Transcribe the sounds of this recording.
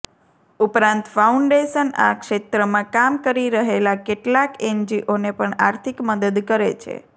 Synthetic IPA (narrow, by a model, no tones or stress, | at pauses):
upɾãnt̪fauɳɖeʃəna̰kʃet̪ɾəmãkamkəɾiɾəɦelakeʈlakend͡ʒiʔonepəɳaɾt̪ʰikməd̪əd̪kəɾḛt͡ʃʰḛ